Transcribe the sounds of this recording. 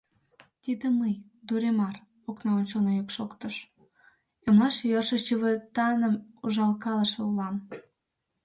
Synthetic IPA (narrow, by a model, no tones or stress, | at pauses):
t̪id̪eməj | d̪uɾemɑr | oknɑonʲt͡ɕonojokʃokt̪əʃ | əmlɑʃjərʃəʃt͡ɕəβet̪ɑnə̆muʒɑlkɑləʃĕulɑm